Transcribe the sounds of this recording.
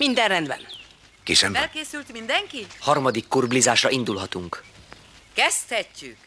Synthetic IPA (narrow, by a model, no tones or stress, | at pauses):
mind̪ɛnrɛnd̪bɛ̰n | kiʃɛmɛlkeːsylt̪mind̪ɛŋkihɒrmɒd̪ikːurblizaːʃrɒind̪ulɦɒt̪uŋk | kɛst̪hɛcːyk